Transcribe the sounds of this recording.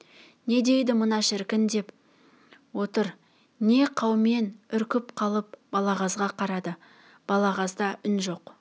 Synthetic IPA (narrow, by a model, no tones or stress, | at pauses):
ne̞d̪e̞jd̪ɪmʊnɑʃɪɾkʲɪnd̪e̞p | wo̞t̪əɾ | ne̞qʰɑwme̞nʏɾkʲɪpqʰɑlˠəp̚bɑlˠɑʁɑzʁɑqʰɑɾɑd̪ə | b̥ɑlˠɑʁɑzd̪ɑʔʏnʒo̞q